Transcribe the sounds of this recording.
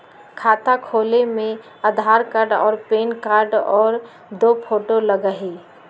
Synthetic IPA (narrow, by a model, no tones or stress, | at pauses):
kʰaːt̪akʰoːlemẽ | əd̪ʱaːɾkaɾɖɔ̰ːɾpeːnkaːɾɖɔːɾ | d̪oːpʰoːʈoləɡəɦiː